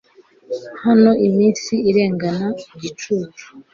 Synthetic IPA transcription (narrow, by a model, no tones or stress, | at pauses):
hano̞ʔimiːnsiiɾe̞ːŋɡanaɟit͡ʃuːt͡ʃu̥